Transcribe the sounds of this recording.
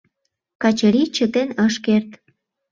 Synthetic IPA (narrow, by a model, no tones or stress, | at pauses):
kɑt͡ɕəɾit͡ɕət̪enəʃkert̪